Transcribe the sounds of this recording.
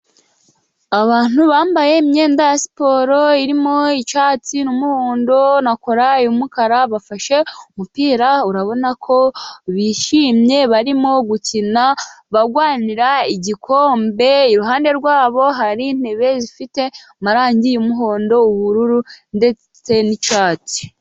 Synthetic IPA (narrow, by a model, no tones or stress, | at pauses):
aβaːn̥huβaːmbaje̞mɲe̞ːndasi̥po̞ːɾo̞iɾimo̞it͡ʃaːt͡sinumuho̞ːndo̞nakoɾajumukaɾaβafaʃe̞umupiːɾauɾaβo̞nakʰo̞βiʃiːmɲe̞βaɾimo̞ɡucinaβaɡwaːniɾaiɟikʰo̞ːmbe̞iɾuɦaːnde̞ɾɡwaːβo̞ɦaɾin̥e̞βe̞zifite̞ | maɾaːɲɟijumuɦo̞ːndo̞uβuɾuɾunde̞t͡s | e̞nit͡ʃaːti̥